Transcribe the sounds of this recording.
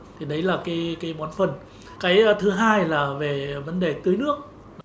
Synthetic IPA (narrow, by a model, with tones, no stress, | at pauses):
t̪ʰi˨˩ɗə˨˦jlaː˨˩kaː˨˦jkaː˨˦jɓɔ˨˦nfə˨˩n | kaː˨˦jt̪ʰɨ˨˦ɦaː˧jlaː˨˩ve˨˩və˨˦nɗe˨˩t̪ɨ˨˦əjnɨ˦˥ək̚ | n˨˦